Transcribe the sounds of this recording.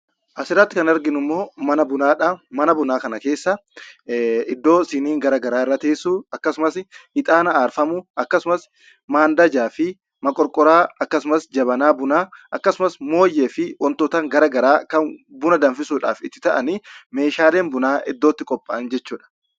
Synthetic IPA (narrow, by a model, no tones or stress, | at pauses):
ʔɐsɪɾːɐt̪ːɪkɐnɐɾɡɪnʊmːo̞ːmɐnɐbʊnaːᶑɐmɐnɐbʊnaːkɐnɐke̞ːsːɐ | ɪd̪ːo̞ːsɪniːŋɡɐɾɐɡɐɾaːɪrːɐt̪eːsuːɐkːɐsʊmɐshɪt̪ʼaːnɐaːɾfɐmʊʔɐkːɐsʊmɐs | maːnd̪ɐd͡ʒaːfɪ | mɐkʼɔɾkʼɔɾaːɐkːɐsʊmɐsd͡ʒɐbɐnaːbʊnaːʔɐkːɐsʊmɐsmo̞ːjːe̞ːfɪwʔɔnt̪oːt̪aːŋɡɐɾɐɡɐɾaːkɐnbʊnɐd̪ɐnfɪsuːᶑa̰ːfɪt̪ːɪt̪ɐʔɐnime̞ːʃaːle̞ːnbʊnaːʔɪd̪ːoːt̪ːɪkʼɔpʼːɐʔɐnd͡ʒɛt͡ʃːuːᶑɐ̥